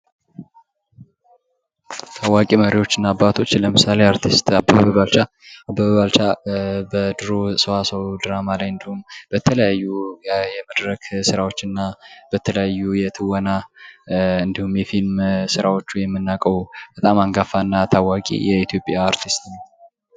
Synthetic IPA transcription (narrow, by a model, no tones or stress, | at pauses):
t̪ʰawːakʼiməɾiwo̞t͡ʃːɨnːaːbːat̪ʰo̞t͡ʃːləmɨsaleaɾt̪ʰist̪abːəβəβalt͡ʃa | abəβaβalt͡ʃabəd̪ɨɾo̞səwasəwd̪ɨɾamalajɨnd̪ihumbət̪ʰələjajːujɛməd̪ɾəksɨɾawo̞t͡ʃːɨnːabət̪ʰələjajːujɛt̪ʰɨwəna | ɨnd̪ihumjɛfilmsɨɾawo̞t͡ʃːujɛmːɨnːakʼəwb̥ət̪ʼamaŋɡafanːat̪ʰawakʼḭjɛit̪ʰjo̞pʼjaːɾt̪ʰist̪nə